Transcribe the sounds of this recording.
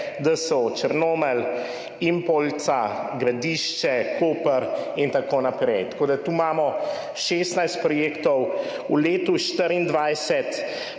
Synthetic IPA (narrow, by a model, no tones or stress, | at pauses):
d̪əsot͡ʃəɾnoːmɛl | impolt̪saɡɾad̪iʃt͡ʃɛkoːpəɾint̪akoːnapɾɛjt̪ḁkoːd̪at̪uːmaːmɔ | ʃeːst̪najst̪̚pɾɔjeːkt̪ɔw | uleːt̪uʃt̪əɾind̪ʋajsɛt̪